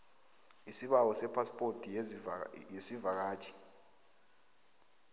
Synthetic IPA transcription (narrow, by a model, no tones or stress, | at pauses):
isiɓak̬ɔsɛpʰaspʼotʰʼi | jesivak̬aːt͡ʃʰʼi̥